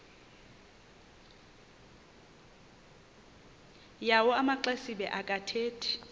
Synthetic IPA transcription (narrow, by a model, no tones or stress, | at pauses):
jawɔamaǃɛsibɛ̰ʔakʼatʰeːtʰɛ̥